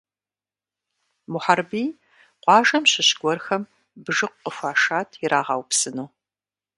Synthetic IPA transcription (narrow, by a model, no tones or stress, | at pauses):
mʊħarbiː | qʷɑːʒɐmɕɪɕɡʷɔrxɐm | bɨʒɨqʷqːəfʷaːʃaːtʰɪɾaːʁɑ̰wpsɨnuː